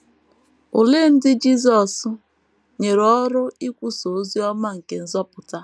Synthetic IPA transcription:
o˨le˦˨n̩˦dɪ˦d͡ʒi˦zɔ˨s | ɲe˨ɾɔ˦ɾʊ˦i˦kʷu˦so˨˦zi˦ɔ˦ma˦ŋ̩˨ke˨n̩˦zɔ˦pʊ˨ta˦

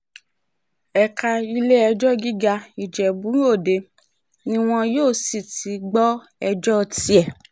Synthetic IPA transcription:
ɛ˨ka˨i˧le˦ɛ˧d͡ʒɔ˦ɡi˦ɡa˧i˨d͡ʒɛ˨bũ˨˦o˦˨de˧ | nĩ˧w̃ɔ̃˧joː˦˨si˨ti˨˦ɡ͡bɔ˦ | ɛ˧d͡ʒɔ˦˧ti˧˦ɛ˦˨

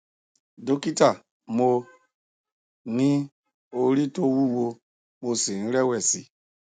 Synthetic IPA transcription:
do˦ki˦ta˨ | mo˧ | nĩ˦ | o˦ɾi˦to˦wu˦wo˧ | mo˨si˨n̩˦ɾe˦wɛ˨sḭ˨

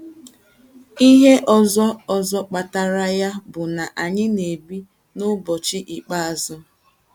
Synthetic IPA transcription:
i˦ɦe˦ʔɔ˨zɔ˦ɔ˨zɔ˦k͡pa˨ta˦ɾa˦ja˦bʊ˨na˨ʔa˨ɲɪ˦ne˨bi˦ | nʊ˦bɔ˨t͡ʃɪ˦ʔi˨k͡pa˦a˨zʊ˦

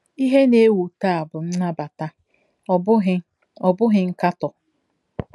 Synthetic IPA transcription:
i˦ɦe˦ne˦wu˨ta˦a˨bʊ˨n̩˦na˦ba˨ta˦˨ | bʊ˦ɦɪ˦ | ɔ˨bʊ˦ɦɪ˨ŋ̩˦ka˦tɔ˨

